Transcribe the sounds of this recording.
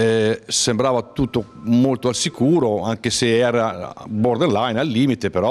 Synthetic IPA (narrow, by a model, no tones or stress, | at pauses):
ɛsembɾaːvat̪ut̪ːomolt̪oalsikuːɾoaŋk̟eseɛːɾaboɾd̪onlajnalːiːmit̪epeɾɔ